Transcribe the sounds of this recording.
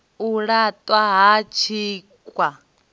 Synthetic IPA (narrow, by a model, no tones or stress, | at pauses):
uɺat̪ʼwaɦat͡ʃʰiː | kʼwa